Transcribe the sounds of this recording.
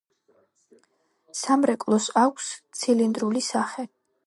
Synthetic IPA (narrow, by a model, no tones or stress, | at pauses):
samɾɛkʼlˠɔsakʷʰst̪sʰilind̪ɾulisaχɛ